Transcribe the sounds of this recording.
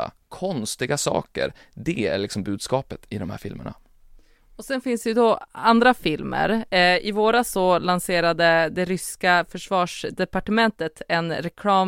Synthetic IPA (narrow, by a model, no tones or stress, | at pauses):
a̰kʰɔnst̪ɪɡasɑ̰ːkə̰ɾ | d̪ɛæ̰ɭɪksɔmbʉ̟ːd̪skɑːpət̪ʰɪd̪ɔmhæ̰ːɾfɪ̰lmə̰ɳa̰ | ɔsɛnfɪnsd̪ɛjʉd̪ɔand̪ɾafɪlmə̰ɾɪvoːɾasɔlanseːɾad̪əd̪ɛɾʏskafœʂvɑːʂd̪ɛpaʈəmɛnt̪ət̪ʰɛnɾɛkʰlɑːm